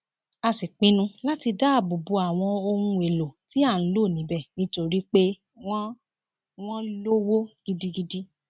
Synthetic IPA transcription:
a˧si˨k͡pĩ˦nũ˦la˦ti˧da˦˨bu˨bu˨˦a˨w̃ɔ̃˧o˧hũ˧e˨lo˨ti˦a˦˨n̩˦lo˦˨nĩ˨˦bɛ˦˨nĩ˦to˧ɾi˦k͡pe˦ | wɔ̃˦ | w̃ɔ̃˦lo˦wo˦ɡ̥i˦di˦ɡi˦di˦

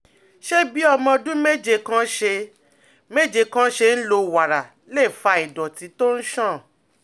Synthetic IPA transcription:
ʃe˦bi˨˦ɔ˧mɔ̃˧dũ˦me˦d͡ʒe˧kã˦ʃe˧ | me˦d͡ʒe˧kã˦ʃe˧n̩˦lo˧wa˨ɾa˨ | le˦˨fa˧i˨dɔ˨ti˧˦to˦n̩˦ʃã˦˨

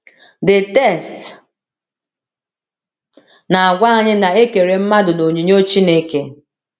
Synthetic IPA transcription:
dɪ˨tɛ˦˨st | na˨a˨ɡʷa˦a˨ɲɪ˦na˨e˦ke˨ɾe˨m̩˦ma˦dʊ˨no˨ɲi˨ɲo˦o˦t͡ʃi˦ne˦ke˦

